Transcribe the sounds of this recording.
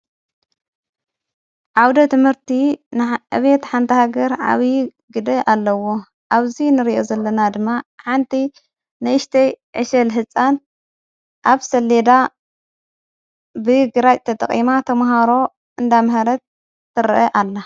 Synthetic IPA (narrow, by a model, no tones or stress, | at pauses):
ʕawd̪ɐt̪ʰɨmhɨɾt̪ʰinʕɨ̰βet̪ħant̪ʰɐhaɡɐɾʕa̰βj | ɡɨd̪ɐʔalːɐwo̞ | ʔaβzinɨɾiʔo̞zɐlːɐnad̪ɨmːaħant̪ʰiː | ɨʔɨʃt̪ʰɐjʕɨʃɐlɦɨt͡sʼːan | ʔaβsɐlːed̪a | bɨɡɨɾajʼt̪ʰɐt̪ʼɐ̰χʼḭmat̪ʰɐmɦaɾo̞ | ʔɨnd̪amhɐɾɐt̪̚ː | ɨɾʔɐʔalːa